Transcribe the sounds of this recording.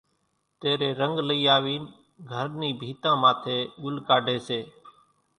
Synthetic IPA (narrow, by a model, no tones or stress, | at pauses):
t̪eːɾeːɾəŋɡləiːaːʋiːn | ɡʱəɾniːbʱiːt̪ãːmãːt̪ʰeːɠʊlkaːɖʱeːseː